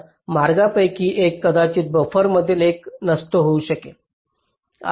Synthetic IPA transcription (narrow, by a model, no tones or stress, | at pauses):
maɾɡapəjkiːʔekːəd̪at͡ɕiːt̪̚bəfəɾməd̪ʱːieleknəst̪oɦouɕəke | a̰